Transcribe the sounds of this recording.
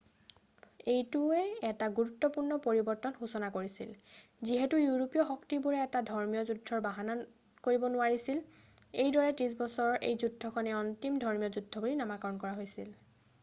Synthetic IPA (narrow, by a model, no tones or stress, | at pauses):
ejtuɛɛtaɡuɹutːɔpuɹnɔpoɹibɔɹtɔnxusɔnakoɹisḭl | ziɦɛtujuɹopijɔxɔktibuɹɛɛtadʱɔɹmijɔzudʱːɔɹbaɦana | koɹibɔnʊaɹisil | ejdɔɹɛtĩs̬bɔsɔɹɔḛjzudʱːɔkʰɔnɛɔntimdʱɔɹmijɔzudʱːɔbulinamakɔɹɔnkɔɹaɦojsḭl